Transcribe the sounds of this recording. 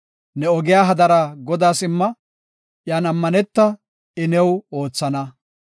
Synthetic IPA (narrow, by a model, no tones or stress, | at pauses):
nɛɔɡɪjaːɦɐd̪ɐɾɐɡɔd̪aːsɪmːɐ | ʔjaːnɐmːɐnɛt̪ːɐ | ɪnɛwoːt͡sːɐnɐ